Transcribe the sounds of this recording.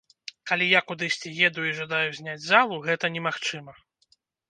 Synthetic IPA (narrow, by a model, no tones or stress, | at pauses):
kalʲijakud̪ɨsʲt͡sʲijɛd̪uiʐad̪ajuzʲnʲad͡zʲzalˠuɣɛt̪ɐnʲɛmaxt͡ʂɨmɐ